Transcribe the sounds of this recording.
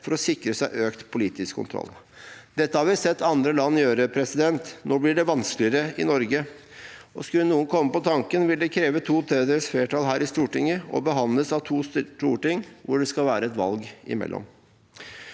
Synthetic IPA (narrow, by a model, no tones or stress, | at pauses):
fɔɾɔsɪkɾəsæɪʔøːkt̪pʰʊliːt̪ɪskʰːʊ̰nt̪ʰɾɔ̰l | d̪ɛt̪ːəhɑɾʋɪsɛt̪ːɑnd̪ɾəlɑnːjøːɾəpʰɾɛsɪd̪ɛnt̪nɔblɪɖɛʋɑnsklɪəɾəɪ̰nɔɾɡə | ʔɔskʉlənuːənkʰɔmːəpɔt̪ʰɑŋkənʋɪld̪ɛkʰɾeːʋət̪ʰuːt̪ʰeːd̪əɾsfleːʈɑːlɦæːɾɪst̪uːʈɪŋəɔ̰bəɦɑnləsɑʋt̪ʰuːsʈuːʈɪŋʋʊɖɛskɑlʋæːɾəɛt̪ʋɑ̰lɡɪ̰mɛ̰lʔɔ̰m